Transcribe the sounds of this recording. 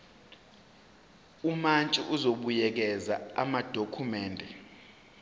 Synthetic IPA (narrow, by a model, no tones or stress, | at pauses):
umant͡ʃʼiʔuzoɓujɛk̬ɛzaamad̥ʱokʰumɛːndʱɛ